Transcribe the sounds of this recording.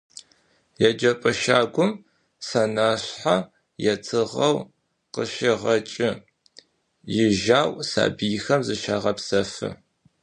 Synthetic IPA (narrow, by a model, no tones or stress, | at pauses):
jɛd͡ʒɐpʼɐʃaːɡʷʊm | sɐnaːɕħa | jɛtʰɨʁɐw | qəʃɪʁɐt͡ʃʼɪ | jɪʒaːwsa̰ːbɨjxɐmzɨʃaːʁɐpsɐfɨ̰